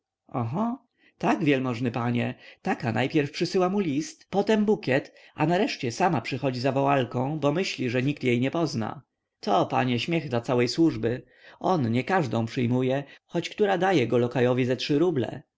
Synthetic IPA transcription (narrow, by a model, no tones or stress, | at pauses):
ɔɦɔ | t̪aɡvʲjɛlmɔʐnɘpaɲɛt̪akanajpʲjɛɾfpʂɘsɘwamulʲist̪pɔt̪ɛmbukʲɛt̪ | a̰naɾɛʂt͡ɕɛsamapʂɘxɔd͡ʑizavɔwalkɔ̃w̃bɔmɘɕlʲiʐɛɲikt̪jejɲɛpɔzna̰ | t̪ʰɔpa̰ɲɛɕmʲjɛɣd̪lat̪sawɛjswuʐbɘ | ʔɔnɲɛkaʐd̪ɔ̃w̃pʂɘjmujɛxɔt͡ɕkt̪uɾad̪ajɛɡɔlɔkajɔvʲizɛtʂɘɾublɛ̰